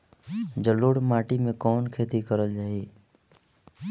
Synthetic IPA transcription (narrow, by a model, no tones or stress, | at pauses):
d͡ʒəloːɽmaːʈimẽkɔːnkʰeːt̪ikəɾəld͡ʒaːeː